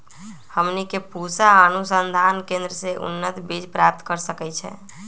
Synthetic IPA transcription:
həmnikepusaənusənd̪ʱankẽnd̪ɾəseʔṵnːət̪bid͡ʒpɾap̚t̪kəɾsəkɛt͡ʃʰɛ̰

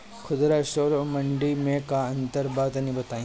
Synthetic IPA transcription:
xʰʊd̪ɾaʃoːɾomɐɳɖimẽkaɐ̃nt̪əɾbaːt̪nĩbɐt̪aːĩ

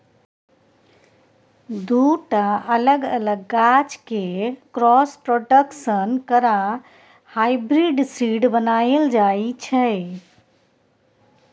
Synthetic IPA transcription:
d̪uʈaʔələɡələɡːat͡ʃkekɾɔspɾoɖəksənkəɾã | hajbɾiɖsiɖbənaeld͡ʒajit͡ʃʰə

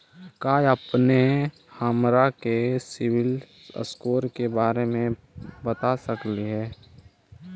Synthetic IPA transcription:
kaːjəpne | haːmɾakesɪwɪl | ə̰skoːɾkebaːɾemẽ | bət̪asəkliɦɛː

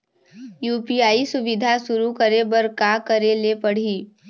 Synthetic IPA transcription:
juːpiaːisʊʋɪd̪ʱasʊɾukəɾebəɾkakəɾelepəɽ̤iː

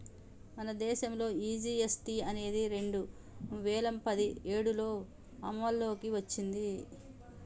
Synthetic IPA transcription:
mɐnɐd̪ɛːʃɐmlo̞ːiːd͡ʒiːesʈiɐne̞ːd̪iɾe̞ɳɖu | ʋɛːlɐmpɐd̪ieːɽulo̞ː | ɐmːɐlːo̞ːkiʋɐt͡ʃːind̪i

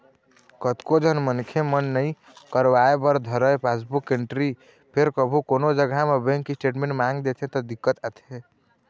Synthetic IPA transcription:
kət̪kod͡ʒʱənmənkʰemənːəi | kəɾʋaebəɾd̪ʱəɾəjpʰasbukeɳʈɾi | pʰeɾkəbʱukonod͡ʒəɡʱamebẽŋkisʈeʈmẽɳʈmaŋɡd̪et̪ʰẽt̪ɔd̪ikːət̪ət̪ʰe

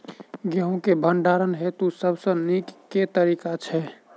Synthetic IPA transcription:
ɡeɦũkebʱəɳɖaɾənɦet̪usəbsə̃nikːet̪əɾikat͡ʃʰɛ

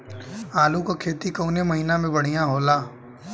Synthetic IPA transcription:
aːlukokʰeːt̪ikoːnemɐɦiːnamẽbɐɽ̤ijãɦoːlaː

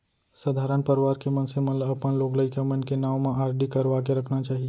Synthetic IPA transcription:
səd̪ʱaɾənpəɾʋaɾkemənsemənləpənlokləɪkemənkenawmẽʔaɾɖikəɾʋakeɾəkʰnat͡ʃaːɦi

